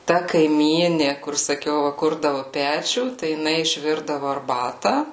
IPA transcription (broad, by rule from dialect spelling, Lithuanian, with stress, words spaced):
tɐ kɐɪˈmʲiːnʲɪ kʊr sɐˈkʲɛʊ ʋɐ ˈkʊrdɐʋʊ ˈpʲæːt͡ʃʲuː tɐɪ jɪˈnɐɪ ɪʃʲˈʋʲɪrdɐʋoː ɐrˈbɑːtɐ